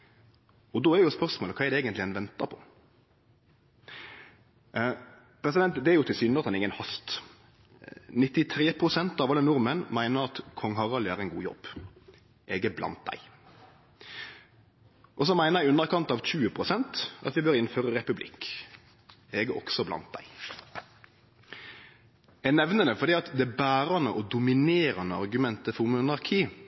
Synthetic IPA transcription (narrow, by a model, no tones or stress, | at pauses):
ɔd̪oːædjʊspœɾsmoːləkʰɑːɛɾdɛeːɡənt̪lɪɛnʋɛnt̪ɑpʰɔ̥ | pʰɾɛsɪd̪ɛnt̪d̪ɛæɾjʊt̪ʰɪlsyːnɑt̪hɑnɪŋənhɑst̪ | nɪt̪ːɪt̪ʰɾeːpʰɾʊsɛnt̪ɑʋɑlːənʊɾmənmæɪnəɾɑt̪kʰɔŋːɦɑʁɑlæɾæɪnɡuːjɔ̰bː | ʔɛɡəblɑ̰nt̪̚d̪æ̰ɪ | ʔɔsɔmæɪnəʁjæɪʉnəɾkʰɑnt̪ɑʋc͡çʉːəpʰɾʊsɛnt̪ʔɑ̰t̪ʋɪbøːɾɪnføːɾəɾɛpʉblɪ̰k | eːɡəʔɔ̰ksɔblɑ̰nt̪̚d̪æ̰ɪ | ɛnɛʋnənəfɔɾd̪iːɑt̪d̪ɛbæːɾɑnəʔɔd̪ʊmɪneːɾɑnəɑ̰ɾɡʉmɛnt̪əfɔʁmʊnɑɾkʰiː